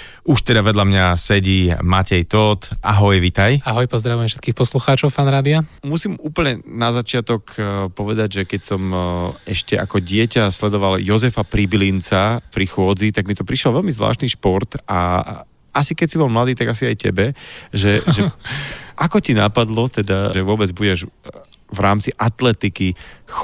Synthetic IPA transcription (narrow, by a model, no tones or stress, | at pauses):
uʃt̪ɛd̪aʋɛd̪lamɲasɛɟimacɛjt̪ɔt̪a̰ɦɔjʋit̪ajaɦɔjpɔzd̪ɾaʋujɛmfʃɛ̥t̪kiːxpɔsluxaːt͡ʃɔʊfaːnɾaːd̪iamusiːmuːpl̩ɲɛnazat͡ʃɪat̪ɔkpɔʋɛd̪aɟʒɛkɛcsɔmɛʃcɛa̰kɔɟɪɛcaslɛd̪ɔʋaljɔzɛfapɾibilint͡sapɾixʊɔd͡zit̪aɡmit̪ɔpɾiʃlɔʋɛlmizʋla̰ːʃt̪niʃpɔɾt̪a | asikɛcsibɔlmlad̪iːt̪aɡasiajcɛbɛʒɛʒɛ | ʔakɔcina̰pad̪lɔt̪ɛd̪aʒɛʋʊɔbɛd͡zbuɟɛʒ | vɾaːmt͡siʔat̪lɛt̪iki